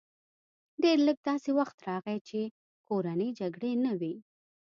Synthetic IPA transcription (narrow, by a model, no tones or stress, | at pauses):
ɖeɾləɡ̚d̪ɑsewaxt̪ɾɑɣet͡ʃe | koɾanəjd͡ʒaɡɽenawi